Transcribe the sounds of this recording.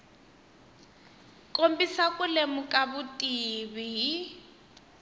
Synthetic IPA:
kʼombisakʼʊlemʊkʼabʊtʼiβiɦi

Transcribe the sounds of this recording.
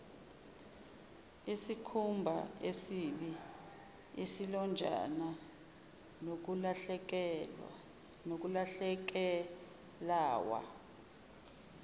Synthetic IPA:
isikʰumbʱa̰esiɓi | isilɔnd͡ʒʱa̰na | nok̬ulaɛkɛ | nok̬ulaɬɛk̬ɛ | laːwa̰

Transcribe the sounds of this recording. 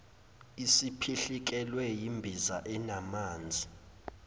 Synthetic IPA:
isipʰiɬik̬ʼɛlwɛjimbʱizaʔɛnamaːnd͡zʱi

